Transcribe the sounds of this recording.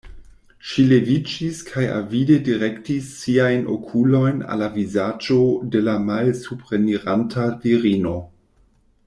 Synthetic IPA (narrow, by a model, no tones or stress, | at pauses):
ʃile̞vid͡ʒiskʰaja̰vide̞diɾe̞ktisːiajnʔo̰kʰulo̞jna̰lavizad͡ʒo̞de̞lamalsupɾeniɾantʰatiɾino̞